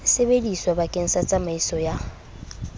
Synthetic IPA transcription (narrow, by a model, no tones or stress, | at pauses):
sebediswabakʼen̩sat͡sʼamaisɔja